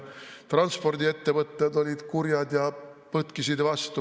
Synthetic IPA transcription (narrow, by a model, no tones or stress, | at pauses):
t̪rɑnspo̞rd̪ie̞t̪ːe̞vɤt̪ˑːed̪o̞lʲid̪̥kuɾjɑd̪jɑpɤt̪kisid̪vɑst̪u